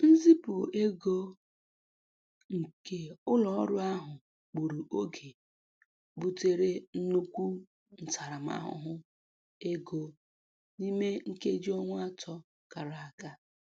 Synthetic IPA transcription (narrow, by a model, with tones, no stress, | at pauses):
n̩˦zi˦pʊ˨e˦ɡo˦ | ŋ̩˨ke˦ʊ˦lɔ˨ɔ˦ɾʊ˦a˦ɦʊ˨ | k͡pu˨ɾu˨ʔo˦ɡʰe˨ | bu˦te˦ɾe˦n̩˦nu˦kʷu˦ | n̩˨ta˨ɾa˨m˦a̰˦ɦʊ̰˨ɦʊ˦ | e˦ɡo˦ | ni˦me˦ŋ̩˦ke˦d͡ʒi˦ɔ˦ŋʷ˦a˦tʰɔ˦ | ka˨ɾa˨a˨ka˦